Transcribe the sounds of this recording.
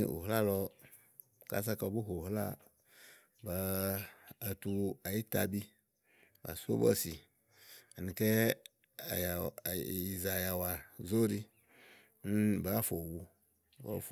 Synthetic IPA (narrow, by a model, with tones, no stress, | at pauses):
ṵ˨ɦla˦lɔ˧ | ka̰˦s̬a˦ka˨bu˦ɦo˨ɦla̰˦ | ba˨ | a˨tu˨a˨ji˦ta̰˦bi˦ | ba̰˨so̰˦bɔ̰˦si˨ | a˨nĩ˨kɛ˦˨ | i˨za˨ja˨wa˨zo˦ɾi˦ | n˦ba˨˦fo˨wu˨ | ba̰˦f